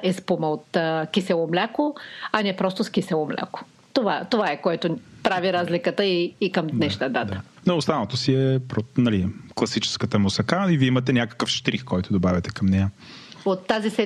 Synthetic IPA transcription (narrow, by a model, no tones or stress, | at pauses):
ɛspumɐot̪ːkʲisɛlˠomlʲakoɐnɛpɾɔst̪osk̟isɛlˠomlʲa̰ko̥ | t̪ovat̪ovaɛkoɛt̪ʊpɾaviɾazlikət̪əiːkəmd̪nɛʃnəd̪at̪ə̥ | noːst̪anot̪osiɛpɾonɐliklˠɐsit͡ʃɛ̥skət̪əmosɐkaiviimɐt̪ɛnʲakə̥kəfʃt̪ɾixkɔjt̪ʊd̪obavʲɐt̪ɛkɐmnɛja | ot̪ːazisɛ